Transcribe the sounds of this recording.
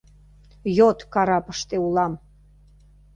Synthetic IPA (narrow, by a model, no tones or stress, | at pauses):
jot̪kɑɾɑpə̥ʃt̪eulɑm